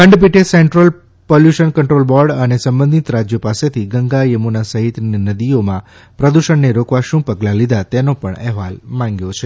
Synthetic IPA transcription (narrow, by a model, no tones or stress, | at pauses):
kəɳɖp̬iʈeseɳʈɾəl | poljuʃənkəɳʈɾolbɔɾɖənesə̃mbənd̪ʱit̪ɾad͡ʒjəpaset̪ʰiɡəŋɡajəmunasəɦit̪ninəd̪iomã | pɾəd̪uʃəɳːeɾokʋaʃũpəɡlãlid̪at̪enopəɳɛ̰ɦʋalmãŋɡjot͡ʃʰe